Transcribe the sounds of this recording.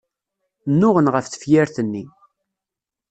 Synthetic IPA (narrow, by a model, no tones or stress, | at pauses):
nːʊʁənʁəfθə̥fjæɾθənːi